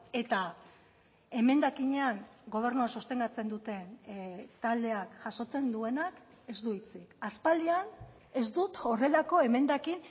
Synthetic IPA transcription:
e̞t̪a | e̞me̞nd̪akiɲe̞aŋɡo̞β̞e̞ɾnuasust̪e̞ŋɡat͡se̞nd̪ut̪e̞nt̪ald̪e̞akʝaso̞t͡se̞nd̪ue̞nak | e̞zd̪uit͡sikaspald̪ian | e̞zd̪ut̪o̞re̞lako̞e̞me̞nd̪akin

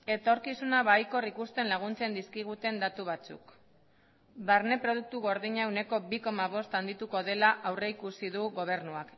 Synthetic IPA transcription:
e̞t̪o̞ɾkisunaβajko̞rikust̪e̞nlaɣ̞unt͡se̞nd̪iskiɣ̞ut̪e̞nd̪at̪uβ̞at͡sṵk | βaɾne̞pɾo̞ð̞uk̚t̪uɣo̞ɾðiɲaewne̞ko̞βiko̞maβ̞o̞st̪and̪it̪uko̞ð̞e̞laʔawre̞ikusiðuɣo̞β̞e̞ɾnuak

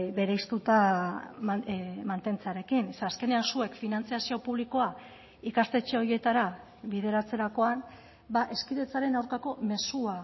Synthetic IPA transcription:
be̞ɾejst̪ut̪a | mant̪e̞nt͡seaɾe̞kineaːske̞ne̞ansue̞kfinant͡siasio̞puβ̞liko̞a | ikast̪e̞t͡ʃeo̞ɾje̞t̪aɾa | βið̞e̞ɾat͡se̞ɾako̞an | baʔe̞skiðe̞t͡saɾe̞nawɾkako̞me̞sua

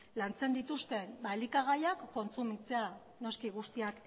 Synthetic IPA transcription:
lant͡se̞nd̪it̪ust̪e̞baelikaɣ̞ajakːo̞nt͡sumit͡se̞a | no̞skiɣ̞ust̪iak

